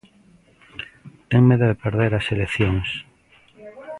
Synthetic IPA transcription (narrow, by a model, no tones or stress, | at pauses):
t̪eŋmeðoðepeɾðeɾaseleθjoŋs